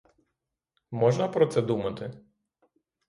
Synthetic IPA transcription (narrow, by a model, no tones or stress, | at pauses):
mɔʒnɐpɾɔt̪sɛd̪umɐt̪ɪ